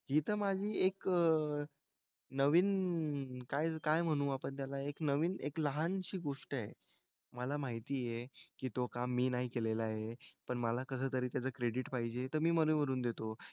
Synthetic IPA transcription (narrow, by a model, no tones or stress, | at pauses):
ɦit̪əɾmad͡ʑʱiːekə | nəʋiːn | kajkajm̤əɽ̃ũːapəɳt̪jalaeknəʋiːnekləɦanɕiːɡoʂʈaj | məlamaɦit̪iːjekiːt̪okamːiːnaɦikelelaɦepəɳməlakəs̬əːt̪əɾiːt̪jat͡səːkɾeɽiʈpaɦid͡ʑet̪əɾmiːməɾẽʋəɾuːnd̪et̪o